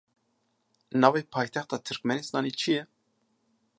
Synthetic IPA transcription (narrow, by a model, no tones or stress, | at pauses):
nɑːvejpʰɑːjt̪ʰɛxt̪ɑt̪ʰɨɾkmɛnesnɑːnit͡ʃʰijɛ